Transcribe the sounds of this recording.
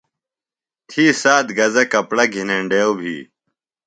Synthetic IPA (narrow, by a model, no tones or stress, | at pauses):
t̪ʰiːsaːd̪ɡɐzɐkɐpɽɐɡʱineɳɖeːwbʱḭː